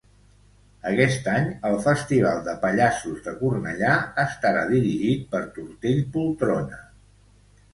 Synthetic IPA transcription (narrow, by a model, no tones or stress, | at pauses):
əkɛst̪aɲəlˠfəst̪iβ̞alˠd̪əpəʎasuzðəkurnə̰ʎaəst̪əɾa̰ðiɾiʒit̪̚pəɾt̪uɾt̪eʎpulˠt̪ɾonə